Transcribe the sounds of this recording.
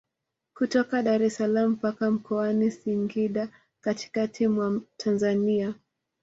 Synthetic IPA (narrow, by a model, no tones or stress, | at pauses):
kutɔkaɗaɾɛsalam̩pakam̩kɔanisiŋɡiɗa | kati̥katʰimwatʰanzania